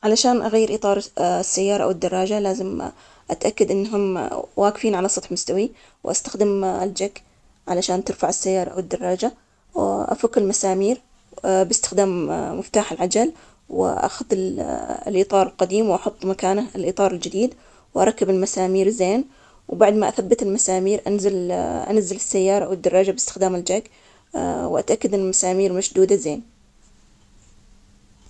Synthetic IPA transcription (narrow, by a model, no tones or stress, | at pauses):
ʕalaʃaːnʔaɣajːɪɾʔiːt̪ˤɑːɾˤsːajːɑːɾˤɑʔa̰wɪd̪ːɑrˤːɑːd͡ʒalaːzɪm | ʔat̪ʔakːad̪ʔɪnːɦʊmwaːkɪfiːnʕalasˤɑt̪ˤħmʊst̪awi | wʔa̰st̪axd̪ɪmɪld͡ʒakː | ʕalaʃaːnt̪ɪɾfaʕɪsːajːɑːɾˤɑʔa̰wɪd̪ːɑrˤːɑːd͡ʒa | wʔa̰fakːɪlmasaːmiːɾ | bɪst̪ɪ̥xd̪aːmmɪft̪aːħɪlʕad͡ʒal | wɪ̰ʔa̰xʊðɪl̰lʔiːt̪ˤɑːɾˤɪlqɑd̪iːmwʔɑħʊt̪ˤːmakaːnalʔiːt̪ˤɑːɾˤɪld͡ʒɪd̪iːd̪ | wʔɑ̰ɾˤɑkːabɪlmasaːmiːɾzeːn | wbaʕd̪maʔaθabːat̪ɪlmasaːmiːɾʔanzalʔa̰nazːɪlɪsːajːɑːɾˤɑʔawɪd̪ːɑrˤːɑːd͡ʒabɪst̪ɪ̥xd̪aːmɪld͡ʒaɡ | wʔat̪ʔakːad̪ɪnmasaːmiːɾmaʃd̪uːd̪azeːn